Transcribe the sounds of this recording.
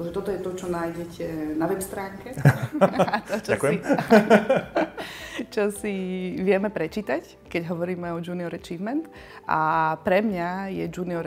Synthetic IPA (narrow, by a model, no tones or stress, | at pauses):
ʒɛt̪ɔt̪ɔjɛt̪ɔt͡ʃɔnaːjɟɛcʰɛnaʋɛpst̪ɾaːŋkɛ | t̪ɔt͡ʃakɛi | t͡ʃɔsiʋɪɛmɛpɾɛt͡ʃiːt̪ac | kɛɟɦɔʋɔɾiːmɛɔd͡ʒuːniɔɾɛt͡ʃiːʋmɛnt̪ | a̰pɾɛmɲajɛd͡ʒuːniɔɾ